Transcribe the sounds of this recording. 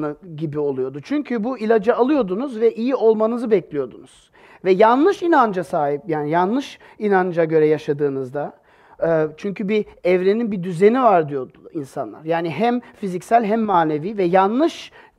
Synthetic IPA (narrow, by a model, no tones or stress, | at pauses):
nɯɟibio̞lˠujo̞d̪ut͡ʃʰyɲcʰybuilʲad͡ʒaːlˠɯjo̞d̪unuzvɛʔijio̞lˠmanɯzɯbɛclʲijo̞d̪unuz̥ | vɛjanlˠɯʃinand͡ʒasaːɦip̚jaːnijanlːˠɯʃ | inand͡ʒaɟø̞ɾɛjaʃad̪ɯːnɯzd̪a | t͡ʃʰyɲcʰybiɛvɾeninbid̪yze̞nivaɾd̪ijo̞d̪insa̰nlˠa̰ɾjaːniɦæmfizicsælʲɦæmːaːne̞viːvɛjanlˠɯʃ